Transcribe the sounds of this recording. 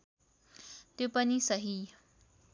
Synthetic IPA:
t̪opənisəɦi

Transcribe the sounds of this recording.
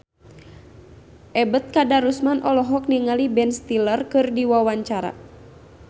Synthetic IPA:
ʔɛbət̪̚kadaɾusmanʔɔlɔɦɔk̚niŋalibɛnst̪ilərkɨrdiwawaɲt͡ʃaɾa̰

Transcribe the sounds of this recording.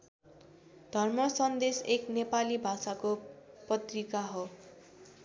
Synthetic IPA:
d̪ʱʌrmʌsʌnd̪eseknepalibʱasakopʌt̪rikaɦo

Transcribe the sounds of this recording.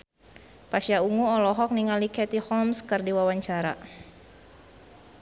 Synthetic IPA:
pasjauŋuɔlɔɦɔk̚niŋalikɛt̪ihɔmskɨrdiwawaɲt͡ʃaɾa̰

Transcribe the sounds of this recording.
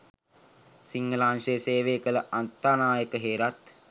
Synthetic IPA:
siŋɡəlaːnseːseːʋeːkələʔant̪ːaːnaːjəkəɦeːɾat̪

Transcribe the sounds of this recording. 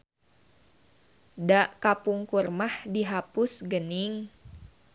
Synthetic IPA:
daʔkapuŋkurmahdiɦapʊsɡəniŋ

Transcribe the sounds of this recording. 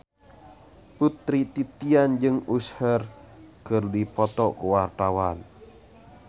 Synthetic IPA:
put̪ɾit̪it̪iand͡ʒɨŋushərkɨrdipɔt̪ɔkuwart̪awan

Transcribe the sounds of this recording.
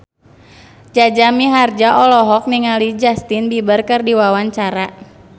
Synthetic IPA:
d͡ʒad͡ʒamiɦard͡ʒaʔɔlɔɦɔk̚niŋalid͡ʒast̪inbibərkɨrdiwawaɲt͡ʃaɾa

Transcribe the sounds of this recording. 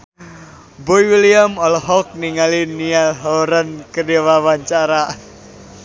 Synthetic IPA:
bɔjwiliamɔlɦɔk̚niŋalinialɦɔɾənkədiwawaɲt͡ʃaɾa

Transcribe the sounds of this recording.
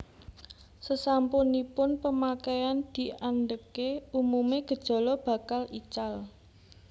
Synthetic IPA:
səsampunipʊnpəmakɛjand̪̥i̤ʔand̪əkeumumeɡ̥ə̤d̥ʒ̥ɔ̤lɔb̥ä̤kalit͡ʃal

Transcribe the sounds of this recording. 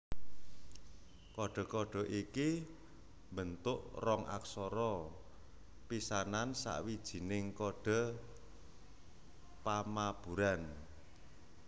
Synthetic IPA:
kɔɖ̥ɔ̤kɔɖ̥ɔ̤ʔiki | mbənt̪ʊʔrɔŋa̰ksɔɾɔ | pisanansa̰ʔwid̥ʒ̥i̤nɪŋkɔɖ̥ɔ̤ | pamab̥ṳɾan

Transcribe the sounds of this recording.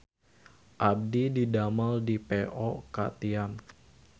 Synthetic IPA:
ʔab̚dididamaldipeʔɔkat̪ian

